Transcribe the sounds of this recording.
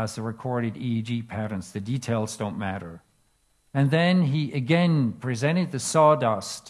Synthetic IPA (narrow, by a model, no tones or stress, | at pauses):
əzðɨɹɨkʰɔɹɾɨɾid͡ʒipʰæɾə̃˞nsðɨditʰeɪlˠzdõʊ̃nmæɾə˞ | ɨ̃nðɨ̃niʔɨɡɛ̃npʰɹ̥izɛ̃ɾ̃ɨd̪̚ðɨsɔdʌst